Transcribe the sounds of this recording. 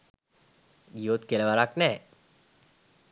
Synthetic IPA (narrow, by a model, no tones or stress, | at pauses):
ɡiot̪keləʋaɾaknɛː